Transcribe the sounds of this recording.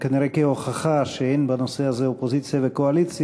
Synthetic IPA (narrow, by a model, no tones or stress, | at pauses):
kaniɾejkeo̞χaχaʃeenbano̞sehazeopozit͡sjavekoalit͡sj